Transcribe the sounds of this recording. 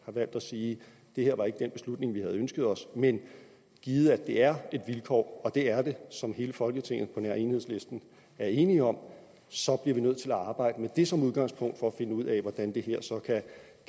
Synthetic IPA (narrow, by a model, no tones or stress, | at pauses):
hɑ̈ʋæl̰d̥æsiː | d̥e̝heɐ̰ʋɑ̈e̝ɡ̥əd̥enb̥e̝slud̥ne̝ŋʋihæð̞̩ˠønsɡ̥əð̩ˠɒ̽smen | ɡ̥iːð̞̩ˠəæd̥e̝æɐe̝d̥ʋilkʰɒ̰ːɒ̽d̥e̝æɐd̥e̝sɒ̽mɦe̝ːləfɒ̽lɡ̥ət͡sʰe̝ŋ̰ð̩ˠpʰɒ̽næɐenhe̝ðˠsle̝sd̥n̩ | æɐe̝ːniɒ̽m | sɒ̽b̥liɐʋinøð̰ˠt͡sʰe̝læɑ̈ːb̥ɑ̈ɪ̰d̥əmed̥e̝sɒ̽muðˠɡ̥ɑ̈ŋspʰɔ̽ŋ̰d̥fɒ̽æfe̝nəuð̞̰ˠɛʋɒd̥ænd̥e̝ɦeɐ̰sɒ̽kʰæ